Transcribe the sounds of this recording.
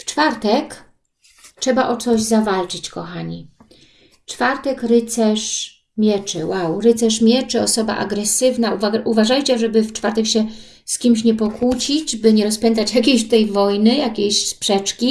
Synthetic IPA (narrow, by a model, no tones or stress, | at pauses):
ft͡ʂfaɾt̪ɛk | tʂɛbaʔɔt̪sɔʑzavalt͡ʂɘt͡ɕkɔxaɲi | t͡ʂfaɾt̪ɛkɾɘt̪sɛʂ | mʲjɛt͡ʂɘwawɾɘt̪sɛʂmʲjɛt͡ʂɘɔsɔba̰ʔa̰ɡɾɛsɘvnauvaʔuvaʐajt͡ɕɛʐɛbɘft͡ʂfaɾt̪ɛkɕɛ | skʲimɕ̬ɲɛpɔkut͡ɕid͡ʑbɘɲɛɾɔspʲɛnt̪̬at͡ɕjakʲeɕt̪ɛjvɔjnɘjakʲeɕspʂɛt͡ʂkʲi